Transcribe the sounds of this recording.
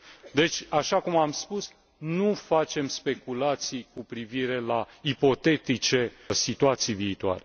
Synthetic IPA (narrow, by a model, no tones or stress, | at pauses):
d̪e̞t͡ʃʲaʃakumamspus | nufat͡ʃe̞mspe̞kulat̪sijkupɾiviɾe̞la | ipo̞t̪e̞t̪it͡ʃe̞ | sit̪uat̪sijviːt̪ua̰ɾe